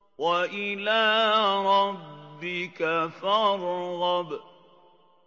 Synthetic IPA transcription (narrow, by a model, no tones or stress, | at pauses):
waʔɪlaːɾˤɑbːɪkafɑɾˤɣɑb